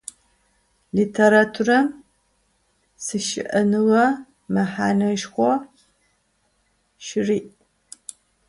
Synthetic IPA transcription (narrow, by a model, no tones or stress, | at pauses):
liːtʰeɾatʰurɐm | sɨʃɪ̰ʔɐnɨwɐ | mɐħaːnɐʒxʷɔ | ʃɪriːʔ